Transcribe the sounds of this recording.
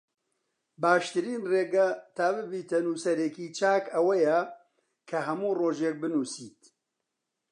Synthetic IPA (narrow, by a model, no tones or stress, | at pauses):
baːʃt̪ɨɾiːnreːɡɐt̪ʰaːbɨbiːt̪ʰɐnuːsɐɾekiːt͡ʃʰaːkɐwɐjɛ | kʰɐɦɐmuːroːʒeːk̚bɨnuːsiːt̪